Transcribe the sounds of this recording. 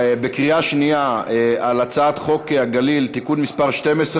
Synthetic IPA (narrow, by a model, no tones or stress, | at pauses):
bekʁiaʃnijaealat͡saːt̪χo̞keaɡalilt̪ikunmispaʁʃt̪emesʁ